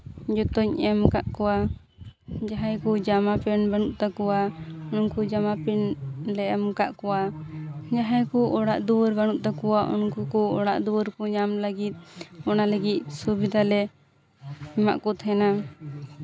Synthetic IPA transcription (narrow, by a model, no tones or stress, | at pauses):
d͡ʒɔt̪ɔɲɛmkaʔkɔwa | d͡ʒaɦajkɔd͡ʒamapɛnbanuʔt̪akɔwaɔnnkud͡ʒamapɛnlɛɛmkaʔkɔwa | d͡ʒaɦajkɔʔɔɽaʔd̪uwɾbanuʔt̪akɔwaʔɔ̰nkukɔɔɽa̰ʔd̪uwəɾkɔɲamləɡit̪̚ˀɔnaləɡit̪̚subid̪ʱalɛ | ɛma̰ʔkɔt̪ʰɛna